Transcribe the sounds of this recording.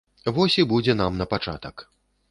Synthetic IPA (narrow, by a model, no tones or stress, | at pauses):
vɔsʲibud͡zʲɛn̪amnɐpat͡ʂa̰t̪ɐk